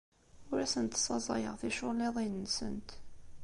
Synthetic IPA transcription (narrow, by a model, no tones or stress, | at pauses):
ʊɾæsənt̪sˤɑzˤɑjə̰ʁθiʃʊlːiðˤinːsə̰nt̪